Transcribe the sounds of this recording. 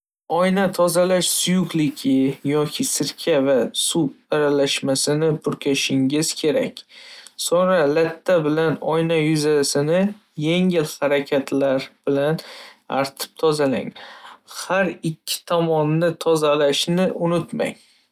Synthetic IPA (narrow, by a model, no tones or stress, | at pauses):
ɒjnat̪ʰɒzalaʃsʊjʊqlɪkʲʰɪjɒkʲʰɪsɪɾkʲʰavasup̚aɾalaʃmasɪnɪpʰʊɾkʲʰaʃɪŋɪz̥kʲʰe̞ɾa̰kʲsɒɾalat̪ʰːabɪlanɒjnajʊzasɪnɪ | jeŋɪlhaɾakʲʰat̪ʰlaɾb̥ɪlana̰ɾt̪ʰɪ̥p̚t̪ʰɒzala̰ŋhaɾɪkʲʰːɪ̥t̪ʰɒmɒnːɪt̪ʰɒzalaʃnɪʔʊnʊt̪ma̰ŋ